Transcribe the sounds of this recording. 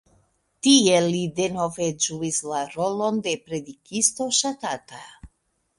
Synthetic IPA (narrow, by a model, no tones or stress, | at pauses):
tie̞lide̞no̞ve̞d͡ʒuislaɾo̞lo̞nde̞pɾe̞dikisto̞ʃatata